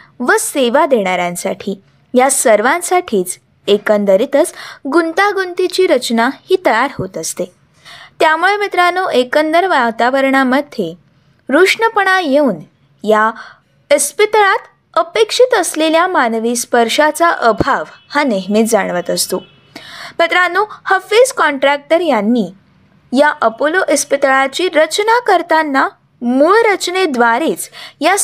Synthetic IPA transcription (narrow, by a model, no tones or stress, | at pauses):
ʋəseʋad̪eɽ̃aɾjãnsa̰ʈʰiː | jasəɾʋãnsaʈʰiːt͡s | ekənd̪əɾit̪ət͡sɡunt̪aɡunt̪it͡ɕiːɾət͡ɕnahiːt̪əjaɾɦot̪əst̪e | t̪jamuɭemit̪ɾanoʔekənd̪əɾʋat̪aʋəɾɳaməd̪ʱːje | ɾuʂɳəpəɳ̃ajeuːn | ja | əspit̪ɭat̪ | əpekʂit̪əsleljamanʋiːspəɾʂat͡saʔəbʱaʋhaneɦmit̪̚d͡zaɽ̃ʋət̪əst̪o | mit̪ɾanːuhəfid͡zkɔɳʈɾæk̚ʈəɾjanːiː | jaʔəpoloʔəspit̪ɭat͡ɕiːɾət͡ɕnakəɾt̪anːa | muɭɾət͡ɕned̪ʋaɾiːt͡sja